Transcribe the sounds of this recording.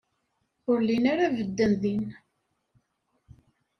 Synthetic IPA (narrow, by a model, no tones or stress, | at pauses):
ʊɾlinaɾavəd̪ːənðin